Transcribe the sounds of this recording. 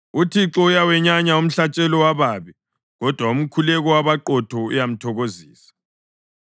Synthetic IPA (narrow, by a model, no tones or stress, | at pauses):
utʰiǁɔujawɛɲaɲaum̩ɬat͡ʃʼɛlɔwaβaːβɛ | ɣɔd̥ʱwaum̩kʰulɛɣɔwaβaǃɔtʰɔṵjam̩tʰɔɣoziːsḁ